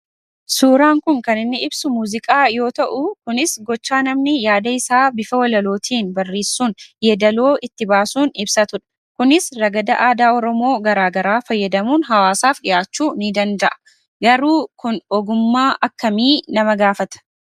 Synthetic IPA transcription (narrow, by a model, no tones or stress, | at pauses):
suːɾaːŋkʊŋkɐnɪnːɪɪbsʊmuːzɪkʼaːjo̞ːt̪ɐʔʊkʊnɪsɡɔt͡ʃːaːnɐmnɪjaːd̪ɐɪsaːbɪfɐwɐlɐlo̞ːt̪ʰiːnbɐrːeːsːuːnjɛd̪ɐlo̞ːʔɪt̪ːɪbaːsuːnɪbsɐt̪ʊᶑɐ̥ | kʊnɪsɾɐɡɐd̪ɐʔaːd̪aːɔɾɔmo̞ːɡɐɾaːɡɐɾaːfɐjːɐd̪ɐmuːnɦɐwaːsaːfɗɪjaːt͡ʃːuːnid̪ɐnd̪ɐʔɐ̥ | ɡɐɾuːkʊnɔɡʊmːaːʔɐkːɐmiːnɐmɐɡaːfɐt̪ɐ̥